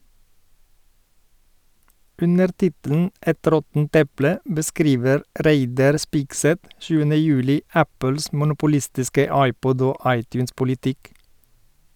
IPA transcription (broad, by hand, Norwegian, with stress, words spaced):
ˈʔʉnəɾ ˈtɪtəln̩ ˈɛt ˈɾɔtn̩t ˈɛplə bəˈskɾiːʋəɾ ˈɾæɪdɑɾ ˈspɪɡˌsɛt ˈʃʉːənə ˈjʉːlɪ ˈæpəls mʊnʊpʊˈlɪstɪskə ˈɑɪˌpɔd ˈoː ˈɑɪˌtjʉːnspʊlɪˌtɪk